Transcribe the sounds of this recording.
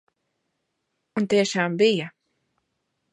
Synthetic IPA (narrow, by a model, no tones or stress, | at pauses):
unt̪iɛʃaːmbija